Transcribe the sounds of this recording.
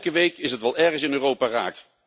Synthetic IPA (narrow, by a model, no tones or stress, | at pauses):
kəʋejkɪsətʋɛlˠɛɹχəsɪnøːrowpaːra̰ːk